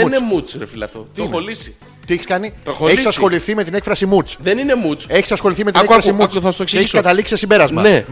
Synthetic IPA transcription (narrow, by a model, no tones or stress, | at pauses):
nemut͡sɾefilɐ̰ft̪ot̪oxolisi̥ | t̪ieçiskɐnit̪oxoeçsɐsxxo̞liθime̞t̪ine̞kfɾɐsimut͡sðeninemut͡se̞çisɐsxo̞liθimet̪nekɐɾɐssimut͡sueθɐst̪okseçiskɐt̪ɐliksi̥sesimbe̞ɾɐzmɐne